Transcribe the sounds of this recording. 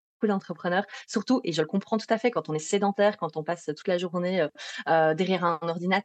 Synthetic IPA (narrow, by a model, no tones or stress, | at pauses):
bokud̪ɑ̃t̪χəpχənœːʁsyʁt̪uʔeʒələkɔ̃pχɑ̃t̪u̥t̪afɛkɑ̃t̪ɔ̃nɛsed̪ɑ̃t̪ɛːʁkɑ̃t̪ɔ̃pasøt̪u̥t̪laʒuʁneøød̪ɛʁjɛʁɛ̃nɔʁd̪inat̪